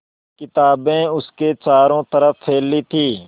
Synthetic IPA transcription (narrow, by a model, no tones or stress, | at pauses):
kɪt̪aːbẽʊsket͡ʃaːɾõːt̪əɾəfpʰeːlːit̪ʰiː